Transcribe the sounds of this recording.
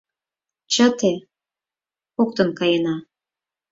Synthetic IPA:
t͡ɕɑt̪e | ok̚t̪ə̆nkɑjenɑ

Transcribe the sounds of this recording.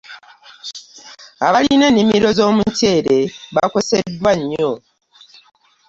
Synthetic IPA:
aβaline̞ːnːimiɾo̞zo̞ːmuce̞ːɾe̞βako̞se̞dwaɲːo̞

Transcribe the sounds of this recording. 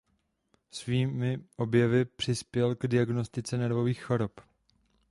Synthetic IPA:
sviːmɪʔo̞bjɛvɪpr̝̥ɪspjɛlɡdɪaɡnost̪ɪt͡sɛnɛɾvo̞viːxxo̞ɾop

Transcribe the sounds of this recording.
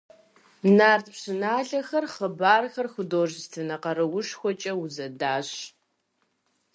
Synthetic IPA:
naːrtʰpɕɨnaːɮɐxɐrχəbaːrxɐrxʷʊdoːʒstʰɨnɐqɐrɨwʊʂxʷɔt͡ʃʼɐwʊzɐdaːɕ

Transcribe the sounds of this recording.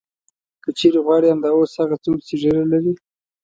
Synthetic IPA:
kət͡ʃeɾeɣwɑɽiamd̪ɑoshaɣat͡sokseʐəɾalaɾi

